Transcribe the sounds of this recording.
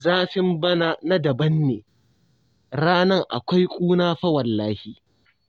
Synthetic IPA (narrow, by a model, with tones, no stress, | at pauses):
zaː˦ɸɪ˦mbɐ˦na˦na˦dɐ˨bɐ˦nːḛː˨ | ɽaː˦nɐ˦˨ŋʔa̰˨kʷa˦jkʷʼuː˦naː˦ɸɐ˦wɐ˨lːaː˦hiː˨